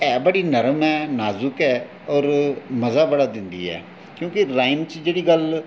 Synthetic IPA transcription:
ɛːbəɽiːnəɾəmɛːnaːzʊkɛː | ɔːɾməzaːbəɽaːd̪ɪnd̪ḭːɛ̰ː | kjõːkɪɾaːɪnt͡ʃd͡ʒeːɽiːɡəl

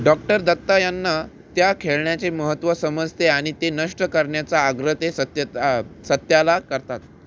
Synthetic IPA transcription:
ɖɔk̚ʈəɾd̪ət̪ːajanːa | t̪jakʰeɭɳjat͡seməɦət̪ʋəsəməd͡zt̪eaɽ̃it̪enəʂʈəkəɾɳjat͡saːɡɾət̪esət̪jəsət̪jalakəɾt̪at̪̚

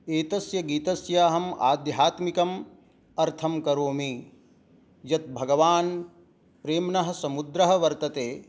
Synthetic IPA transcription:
eːt̪ɐsjɐɡiːt̪ɐsjaːɦɐma̰ːd̪jɦaːt̪mikɐm | ɐɾt̪ʰɐmkɐɾoːmi | jɐt̪̚bʱɐɡɐʋaːn | pɾeːmnɐɦɐ̆sɐmud̪ɾɐɦɐ̆ʋɐɾt̪ɐt̪eː

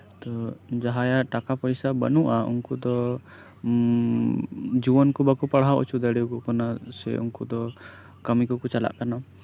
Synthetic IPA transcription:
t̪ɔd͡ʒaɦajaʔʈakapəjsabə̰nuʔaṵŋkud̪ɔ | d͡ʒuwɔnkubakupaɽɦawɔ̰t͡ʃʰud̪əɽiwkɔkɔnasɛ̰ṵŋkud̪ɔ | kəmikɔkut͡ʃala̰ʔkana

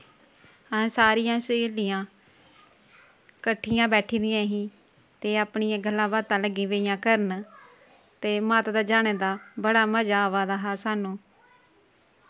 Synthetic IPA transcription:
ɛ̃ːsaːɾijãːseːlijãː | kəʈʰːijãːbɛːʈʰiːd̪ɪjãːɦiː | t̪eːaːpɳijãːɡəlːãːbaːt̪ãːləɡĩːʋeːɪjãːkəɾən | t̪eːmaːt̪d̪aːd͡ʒaːneːd̪aːbəɽaːməd͡ʒaːʋaːd̪aːɦaːsaːnũː

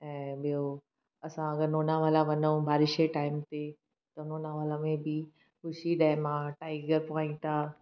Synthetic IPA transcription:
ɛ̃ːɓijo | ɐsãɐɡəɾnoːnaʋaːlaʋɐnəũbʱaːɾɪʃeʈaːɪmt̪e | t̪ɐʊnoːnaʋaːlamẽbi | xʊʃid̪aɪmãʈaːɪɡəɾpaːĩt̪ʰaː

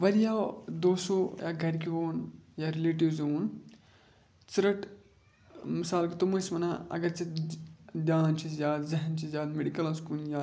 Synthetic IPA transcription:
ʋɐɾjad̪oːsoja̰ːɡʱɐɾʲkiʋoːnjaɾeleːʈ̬iʋzoːn | t͡sɾɐʈ | misaːlkit̪omɐsmɐnaɐ̰ɡɐɾt͡se | d̪ʲjaːnt͡ʃisjaːd̪zɐɦɐnt͡ʃijaːd̪meɽikɐlɐskuːnjaː

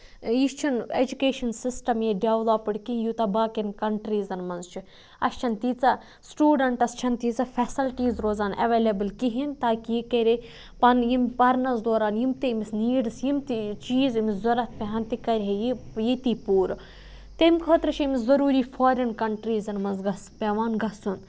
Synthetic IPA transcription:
jist͡ʃʰineːd͡ʒukeːʃɐnsisʈɐmjeɖeːʋloːpɨɽkijut̪ɐbaːkɐnkɐɳʈɾiːzɐnmɐnzt͡ʃʰi | ɐ̰st͡ʃʰɐnt̪iːt͡sɐ | sʈuːɖɐɳʈɐst͡ʃʰɐnt̪iːt͡sɐfɛsɐlʈiːzɾoːzaːnʔɐ̰ʋeːlʲebɨlkiɦint̪aːkiikɐɾe | pɐnjimpɐɾnɐzd̪oːɾaːnjimt̪imisniːɖɨsjimt̪it͡ʃiːzimizɐɾɐt̪̚ʰpʲeɦɐnt̪ikɐɾʲɦejijit̪iːpuːɾ | t̪emʲkʰoːt̪ɾɨt͡ʃʰiimizɐɾuːɾiːfʰoːɾɐnkɐɳʈɾiːzɐnmɐnzɡɐspʲeʋaːnɡɐsun

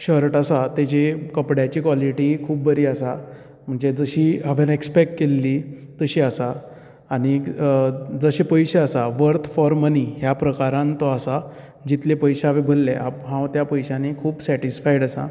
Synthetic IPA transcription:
ɕəɾʈasat̪at͡ɕekəpɽjat͡ɕiːkʋaliʈikʰuːp̚bəɾiːəsa | m̤əɳd͡zed͡zəɕiːɦaʋjãnekspekʈkelːit̪əɕiːəsaː | ñi | d͡zəɕepəjɕeasaʋəɾt̪ʰfɔɾməniɦjapɾəkaɾãnt̪ɔasa | d͡ʑit̪lepəjɕaaʋebʱəlːɛɦapɦãwt̪japəjɕanekʰuːbsæʈisfajɽasa̰

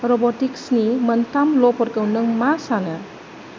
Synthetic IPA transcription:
ɾɔbɔtiksniməntamlɔpɔɾkəwnɯŋmasanɐ

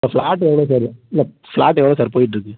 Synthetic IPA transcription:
ɐfɭaːʈːɛʋɐɭoːs̬ɐɾiɪlːɐ | fɭaːʈːɛʋɐɭoːsaːɾpoːjɪʈ̬ːɾɯkːɯ

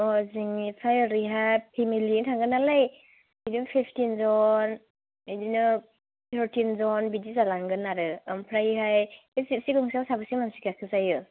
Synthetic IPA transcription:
ɔziŋipʰajɾiɦajpʰimilitʰaŋɡɯnalaj | idipʰiptinzɔn | dinɔ | tʰəɾtʰinzɔnbidizalaŋɡɯnaɾɯampʰɾajɦaj | esip̚siɡɔŋsawsabasimansi̥kakʰɯzajɯ

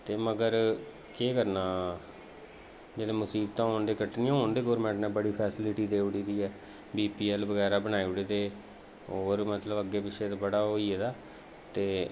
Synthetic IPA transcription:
t̪eːməɡəɾ | keːkəɾnaː | d͡ʒeːleːmʊsiːb̚t̪ãːɦoːnd̪eːkəʈnɪːãːɦoːnd̪eːɡoːɾmɛ̃ːɳʈnɛ̃ːbəɽiːpʰɛːsɪlɪʈiːd̪eːʊɽiːd̪iːɛː | biːpiːɛːlbəɡɛːɾaːbəñaːiːʊɽiːd̪eː | oːɾmət̪ləbəɡːeːpɪʃeːt̪abəɽaːɦoːiːɛd̪aː | t̪eː

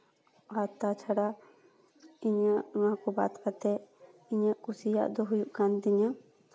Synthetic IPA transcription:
at̪at͡ʃʰaɽa | iɲaʔŋakɔba̰t̪kat̪ɛ | iɲaʔkusija̰ʔd̪ɔɦujuʔkand̪iɲa

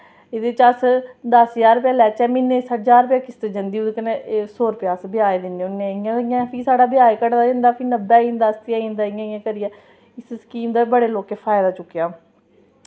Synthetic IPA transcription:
ɪd̪et͡ʃəsd̪əsjaːɾpjaːlɛːt͡ʃɛːmɪnːẽːsət̪ʰd͡ʒaːɾpjaːkɪst̪eːd͡ʒə̃nd̪iːʊd̪kənesoːɾpɪjaːsbɪaːed̪ɪnːeːʊnːeɪããːpʰiːsaːɽaːbɪaːekəɽd̪aːd͡ʒə̃nd̪aːpʰiːnəbɛːĩːnd̪aːst̪ɪãĩːnd̪aːɪãːãːkəɾɪjɛː | ɪsskiːmd̪aːbəɽeːloːkeːpʰaːjd̪aːt͡ʃʊkːejaː

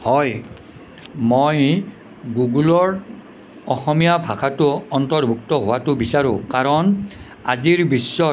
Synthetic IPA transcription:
hɔj | moj | ɡuɡulɔɹ | ɔxɔmijabʱakʰatʊɔntɔɹbʱuktɔɦowatʊbisaɹʊ̃kaɹɔn | a̰ziɹbisːɔ

